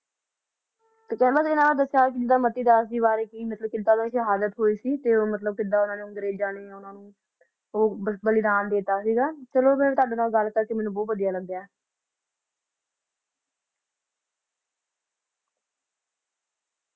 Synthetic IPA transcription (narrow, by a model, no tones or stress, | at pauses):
t̪ekɛ̃bəsɪnãːbaːd̪əsjaːkɪd͡ʒɪd̪aːmət̪iːd̪aːs̬iːβaːɾeːkiːmət̪ləb̚kɪd̪aːʊnaːneːʃəɦaːd̪ət̪ɦoːiːsiːt̪eːoːmət̪ləb̚kɪd̪aːʊnãːneːʊ̃ŋɡəɾeːd͡ʒaːɽ̃eːɛːʊnãːnũː | oːəbəliːd̪aːnd̪eːt̪aːsiːɡaːt͡ʃəloːmɛñːt̪aːɖenaːɡəlːkəɾkemɛ̃ːnũbɔːt̪ʋəd̪ijaːləɡd̪jaːɛː